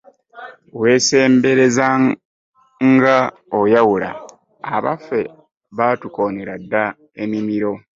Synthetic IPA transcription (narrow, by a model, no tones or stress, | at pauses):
we̞ːse̞ːmbe̞ɾe̞za | ŋɡa | ojawula̰ː | βa̰fːe̞ | βatuko̞neɾadːa | e̞mimiɾo̞